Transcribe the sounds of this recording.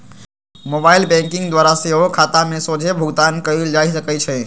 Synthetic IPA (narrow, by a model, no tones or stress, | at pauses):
mobailbɛ̃ŋkɪ̃ŋɡd̪ʋaɾaseɦokʰat̪amẽsod͡ʒʱebʱʊɡt̪ankəild͡ʒaisəkɛt͡ʃʰɛ